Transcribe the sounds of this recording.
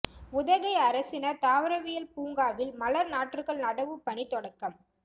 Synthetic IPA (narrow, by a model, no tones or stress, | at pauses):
ʊðɐɣɐɪɐɾɐsɪnɐɾt̪aːʋɐɾɐʋɪjɐlpuːŋɡaːʋɪlmɐlɐɾnaːʈːrɯɣɐɭnɐɽɐʋɯpːɐɳit̪ɔɽɐkːɐm